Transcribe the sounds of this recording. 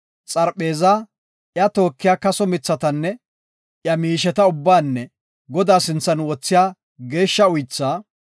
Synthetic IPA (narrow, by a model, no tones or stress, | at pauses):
t͡sʼɐɾpe̞ːzaː | ʔjɐt̪o̞ːkːɪjaːkɐsɔmɪt͡sːɐt̪ɐnːɛ | ʔjɐmiːʃɛt̪ɐʊbːaːnːɛ | ɡɔd̪aːsɪnt͡sːɐnwɔt͡sːɪjaː | ɡe̞ːʃːɐʊjt͡sːaː